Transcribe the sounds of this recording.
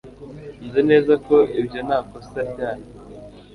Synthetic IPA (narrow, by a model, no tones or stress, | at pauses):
izene̞ːzako̞ʔibɟonaːkosaɾɟaːne